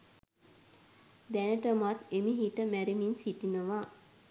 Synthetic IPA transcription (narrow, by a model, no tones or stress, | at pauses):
d̪ænəʈəmat̪emiɦiʈəmæɾiminsiʈinəʋa